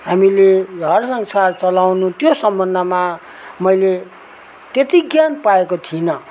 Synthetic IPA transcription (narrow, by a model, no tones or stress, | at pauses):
ɦamileɡʱʌrsʌŋsart͡sʌlawnut̪josʌmbʱʌnd̪ʱʌma | mʌjle | t̪et̪iɡjanpaekot̪ʰinʌ